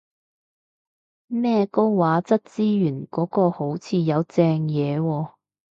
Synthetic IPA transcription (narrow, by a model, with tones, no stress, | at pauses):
mɛː˥ko˥wwaː˨˥t͡sɐ˥t̚t͡siː˥jyː˨˩nkɔː˨˥kɔː˧ho˨˥wt͡sʰiː˨˧jɐ˨˧wt͡sɛː˧ŋjɛː˨˧wɔː˧